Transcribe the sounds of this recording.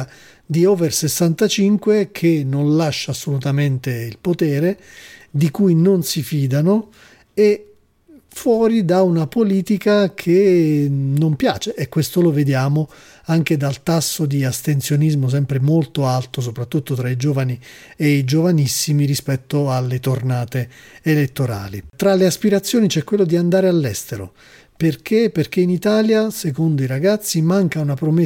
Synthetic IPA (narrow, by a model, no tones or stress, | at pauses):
d̪iɔːversesːant̪at͡ʃiŋkwekʰenonlaʃːaːsːolut̪ament̪eilpot̪ɛːɾed̪ikujnonsifiːd̪ano | e | fwɔːɾid̪aunapoliːt̪ikakʰe | nompja̰ːt͡ʃeʔːkːwest̪oloved̪jaːmo | aŋk̟ed̪alt̪asːod̪iast̪ent̪sjonizmos̬ɛmpɾemolt̪oalt̪os̬opɾat̪ːut̪ːot̪ɾaid͡ʒoːvani | eid͡ʒovanisːimiɾispɛt̪ːoalːet̪ornaːt̪eːlet̪ːoɾa̰ːlit̪ɾaleaspiɾat̪sːjoːnit͡ʃɛkːwelːod̪iand̪aːɾealːɛst̪eɾo̰ | perk̟ʰeperk̟einit̪aːljasekond̪oiɾaɡat̪sːimaŋkaunapɾome